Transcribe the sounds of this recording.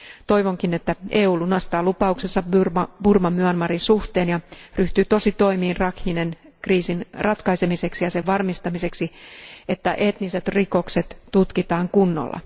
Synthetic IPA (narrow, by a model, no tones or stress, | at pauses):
t̪o̞iʋoŋkinet̪ːæeːuːlunɑst̪ɑːlupɑuksesːɑyrmɑb̥urmɑmyænmɑɾinsuht̪e̞ːnjɑryht̪yːt̪o̞sit̪o̞imiːnrɑkhinen | kriːsinrɑt̪kɑise̞mise̞ksijɑseʋʋɑrmist̪ɑmise̞ksiet̪ːæʔe̞t̪niset̪riko̞kset̪ːut̪kit̪ɑːŋkunːo̰lːɑ̰